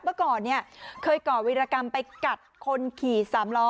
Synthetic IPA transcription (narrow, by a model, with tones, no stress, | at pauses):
mɯː˧˩kɔː˨˩nːi˥˩ɐkʰɤː˧jkɔː˨˩wi˦˥ɾaː˧ka˧mpa˧jka˨˩t̪̚kʰo˧nkʰiː˨˩saː˩˦mlɔː˦˥